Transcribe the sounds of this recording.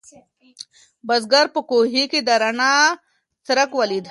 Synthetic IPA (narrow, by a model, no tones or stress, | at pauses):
bɐzɡɐɾpəkoːɦikid̪ɐɾɐnaː | sɐɾɐkʋɐlid̪ʱ